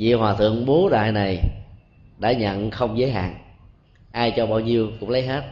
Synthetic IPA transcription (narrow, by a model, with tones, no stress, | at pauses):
zḭ˧˨hwaː˨˩t̪ʰɨ̰˧˨əŋɓo˨˦ɗa̰ː˧˨jna˨˩j | ɗa̰ː˧˥ɲə̰˧˨nxə˧wŋ͡mzəː˨˦jɦa̰ː˧˨n | ʔaː˧jt͡ɕɔ˧ɓaː˧wɲi˧əwkʊ̰˧˥ŋ͡mlə˨˦jɦe˦˥t̚